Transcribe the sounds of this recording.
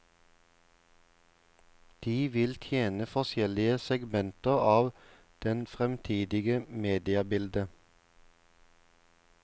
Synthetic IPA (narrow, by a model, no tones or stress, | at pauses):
d̪̥iːʋɪlt̪ʰjeːnəfɔʃjɛlɪəsɛɡmɛnt̪əʁɑːʋ | d̪̥ɛnfʁɛmt̪ʰiːd̪ɪɡəmeːd̪ɪɑbɪld̪ə